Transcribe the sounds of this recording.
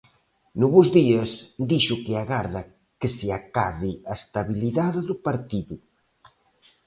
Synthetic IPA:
nuβuzðiɐsd̪iʃukeaɣaɾða | kesiakaðiaest̪aβiliðaðeðupaɾt̪iðu

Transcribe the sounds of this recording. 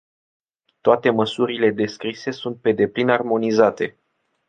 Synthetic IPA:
t̪oat̪e̞məsuɾile̞d̪e̞skɾise̞sunt̪̚pe̞d̪e̞plinarmo̞nizat̪e̞

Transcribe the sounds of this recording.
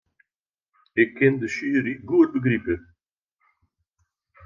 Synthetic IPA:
ekːend̪əʃiːɾiɡuːd̪̚bəɡɾipe

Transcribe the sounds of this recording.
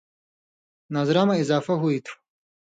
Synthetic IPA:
naːzɾaːmaɪzɑːfɐɦuit̪ʰu̥

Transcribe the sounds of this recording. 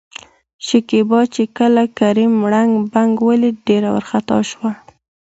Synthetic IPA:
ʃɪkebɑt͡ʃekəlakaɾimɽaŋɡbaŋɡwəliɖeɾawə̰ɾxat̪ɑ̰ʃwa

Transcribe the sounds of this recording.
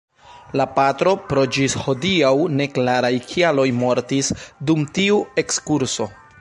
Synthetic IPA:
lapatɾo̞pɾo̞d͡ʒisho̞diawne̞klaɾajkʰialo̞jmo̞ɾtisdumtiue̞kskuɾso̞

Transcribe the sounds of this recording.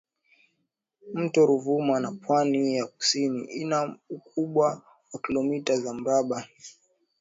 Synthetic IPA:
m̩tɔɾuvumanapwanijak̚u̥siniʔinaukuɓwa | wakilɔmitazam̩ɾaɓa

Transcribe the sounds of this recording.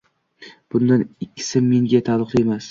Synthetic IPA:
b̥ʊnd̪anɪkʲʰːɪ̥sɪmːe̞ŋɡʲat̪ʰalˠɨqt̪emas

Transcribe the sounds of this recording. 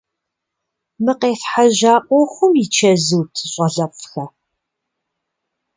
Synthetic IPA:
mɨqeːfħaʒaːqʷʼɔxʷʊmit͡ʃʰɐzɨwtʰɨɕʷʼɐɮɐpʼxɐ

